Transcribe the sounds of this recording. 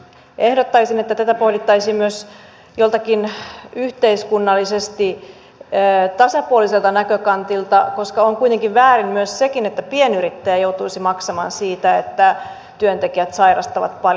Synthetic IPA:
ʔehdot̪ːɑisinet̪ːæt̪æt̪æpohlit̪ːɑisimmyøs | jolt̪ɑkinyht̪eiskunːɑlːisest̪iː | t̪ɑsɑpuoliselt̪ɑnækøkɑnt̪ilt̪ɑko̞skɑoŋkuijt̪eŋkiʋʋæːrimmyøssekinet̪ːæpienyɾit̪ːæjæjouwt̪uisimɑksɑmɑ̰ːnsiːt̪æet̪ːæ | t̪yønt̪ekiæt̪sɑirɑst̪ɑʋɑ̰t̪pɑl

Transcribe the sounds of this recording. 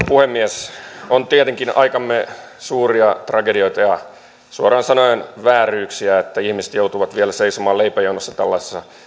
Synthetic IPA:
puhemːiesont̪iet̪eŋkinɑikɑmːe | suːriɑt̪rɑkedioit̪ɑjɑ | suorɑːnsɑnoenʋæːryːksiæet̪ːæihmise̥t̪jout̪uʋɑt̪ʋielæseisomɑːleipæjounosːɑt̪ælːɑse̥sːɑ

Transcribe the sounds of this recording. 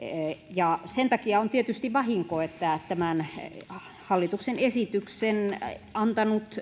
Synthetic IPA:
jɑsent̪ɑkiɑont̪iet̪yst̪iʋɑhiŋkoet̪ːæt̪æmæn | hɑlːit̪uksenesit̪yksenɑnt̪ɑnut̪

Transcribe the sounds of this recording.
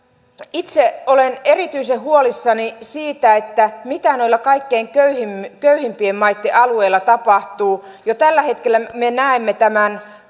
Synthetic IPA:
it̪seolene̞rit̪yisehhuolisːɑnisiːt̪æet̪ːæmit̪ænoilːɑkɑikːeːŋkøyhimkøyhimpiemːɑit̪ːeʔɑlue̞ilːɑt̪ɑpɑht̪uː | jot̪ælːæhet̪kelːæmenæemːet̪æmæn

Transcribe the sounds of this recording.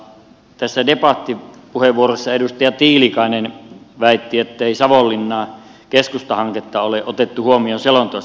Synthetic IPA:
t̪æsːædepɑt̪ːipuheʋʋuorosːɑedust̪ɑjɑt̪iːlikɑˑenenʋæˑit̪ːiet̪ːeˑisɑʋolːinːɑː | keskust̪ɑhɑŋket̪ːɑoleʔʔot̪et̪ːuhuomionselont̪oɑ

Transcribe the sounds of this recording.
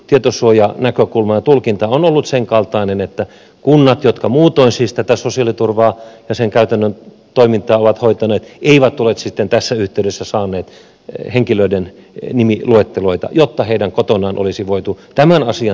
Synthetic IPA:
t̪iet̪osuojɑnækøkulmɑjɑt̪ulkint̪ɑonolːut̪seŋkɑlt̪ɑˑinenet̪ːæ | kunːɑt̪jot̪kɑmuːt̪oinsiːst̪æt̪æsosiɑlit̪urʋɑːjɑseŋkæyt̪ænːøn | t̪oimint̪ɑːoʋɑt̪hoit̪ɑneːt̪eiʋæt̪ːulet̪sit̪ːent̪æsːæyht̪eydesːæsɑːnːˑeːt̪ | heŋkiløiden | nimiluet̪ːeloit̪ɑ̰jot̪ːɑheidæŋkot̪onɑːnʔo̰lisiʋoit̪ut̪æmænɑsiɑ

